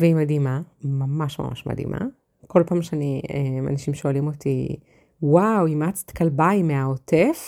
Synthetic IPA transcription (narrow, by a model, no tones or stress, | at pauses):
veimadimamamaʃma̰mʔa̰ʃma̰dḭmʔa̰ | ko̞lpaːmʃeaniema̰naʃimʃo̞alimo̞ti | wawimat͡st̪kalbajmeaotef